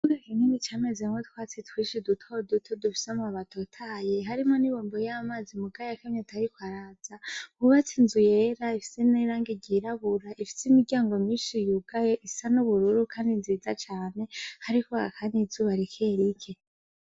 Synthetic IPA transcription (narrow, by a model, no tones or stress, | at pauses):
uɡakininit͡ʃamezeŋwetʰwaːt͡sitwiːʃidutʰodutʰodufi̥semuaβatʰotʰaːjeɦaɾimo̞niβoːmbojamaːzimuɡajakemɲotʰajikwaɾaz̥ahuβat͡sinzujeɾaifi̥seneɾaːŋɡiɟiɾaβuɾaʔifi̥simiɟaːŋɡo̞miːnʃijuɡ̥ajeʔifi̥sanuβuɾuɾukʰaːndinziːzat͡ʃaːne̞haɾikoa̰kʰandizuβaɾikʰeɾikʰe